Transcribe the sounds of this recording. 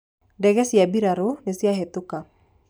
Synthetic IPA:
dɛkɛsiabiɾaɾunesiaɦɛt̪uka

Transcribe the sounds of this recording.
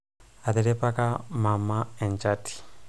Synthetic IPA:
at̪ɛɾipakamamaɛnt͡ʃati̥

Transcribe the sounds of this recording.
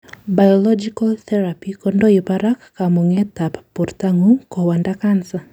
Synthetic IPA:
bajɔlɔd͡ʒikalθɛɾapikɔndoipaɾakːamuŋɛt̪appurt̪aŋukɔwandakansa

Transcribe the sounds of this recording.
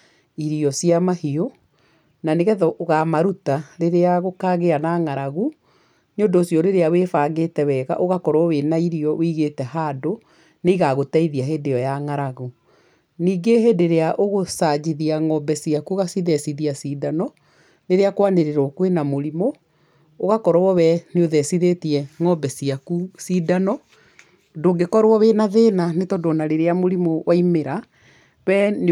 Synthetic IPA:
iɾiɔsijamahio | naneɣɛðɔʔoɣamaɾutaɾeɾeaɣokaɣeanaŋaɾaɣu | ɲodɔːsjɔɾeɾeawefaːɡetɛwɛɣa̰ʔoɣakɔɾɔwenaiɾiɔwiɣetɛhaːdo | neiɣaɣotaiðiaɦedejɔjaŋaɾaɣu | niːɡehedeɾeaʔoɣosad͡ʑiðiaŋɔbɛsiakuɣasiðɛsiðiasiːdanɔ | neɾeakwaneɾeɾokwenamoɾimoː | ɣakɔɾwɔwɔwɛneoðɛsiðetiɛŋɔbɛsiakusidanɔ | doːɡekɔɾwɔwenaðeːnanetɔdonaɾeɾeamoɾimowʔaimeɾa | βɛn

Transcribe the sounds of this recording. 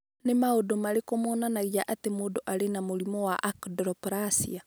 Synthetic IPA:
nemaodomaɾekomoːnanaɣiaʔatemodoʔaɾenamoɾimɔwaʔakdɾɔpɾasḭa

